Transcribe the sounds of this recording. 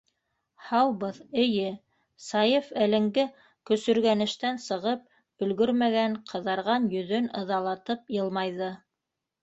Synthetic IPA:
hɑwbɤðɘ̆jɘ | sɑjefælɘ̆ŋɡɘ | kɵ̆sɵ̆ɾɡænɘ̆ʃt̪ænsɤ̆ʁɤp̚ | b̥ɵ̆lɡɵɾmæɡæɴqʰɤ̆ðɑɾʁɑnjɵ̆ðɵnɤ̆ðɑlˠɑt̪ɤp̚jɤ̆lˠmɑjðɤ

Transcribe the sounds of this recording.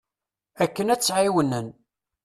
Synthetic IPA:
ækːənæt͡sːʕiwənːən

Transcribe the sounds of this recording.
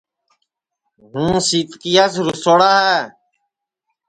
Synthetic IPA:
ɦũːsiːt̪kiːaːsɾusoːɽaːɦɛː

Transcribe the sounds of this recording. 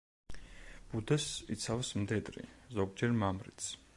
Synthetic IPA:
b̥ud̪ɛsḭt̪sʰavsmd̪ɛd̪ɾḭzɔɡd͡ʒɛɾmamɾḭt̪sʰ

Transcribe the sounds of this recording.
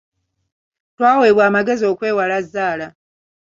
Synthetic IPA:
twaːweːβwaːmaɡe̞zio̞ːkwe̞ːwalazːaːla

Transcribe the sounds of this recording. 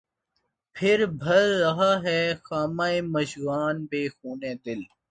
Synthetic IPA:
pʰɪɾbʱəɾːɐɦaːɦɛːxaːmaːeːməʃɣaːnbeːxuːneːd̪ɪl

